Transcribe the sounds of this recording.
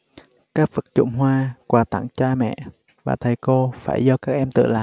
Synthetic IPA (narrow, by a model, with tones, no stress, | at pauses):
kaː˦˥k̚vɨ˨˩k̚t͡ɕʊ̰˧˥ŋ͡mɦwaː˧kwaː˧˩t̪a̰˧˩ŋt͡ɕaː˧mɛ̰˧˨ | vaː˨˩t̪ʰə˨˩jko˧fa̰ː˧˩jzɔ˧kaː˦˥k̚ʔɛ˧mt̪ɨ̰˧˨laː˧˨